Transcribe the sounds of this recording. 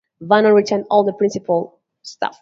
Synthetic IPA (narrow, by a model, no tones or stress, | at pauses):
vãnəɹitʰɛ̃ndɔlˠðəpʰɹ̥ɪ̃nsɪpəlˠ | stʰa̰f